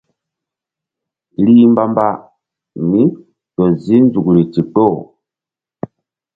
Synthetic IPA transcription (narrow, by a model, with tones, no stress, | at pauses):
li˦mba˦mba˦ | ni˦ | tɔ˨zi˦nd͡zu˨ku˨ɾi˨ti˨k͡po˦˨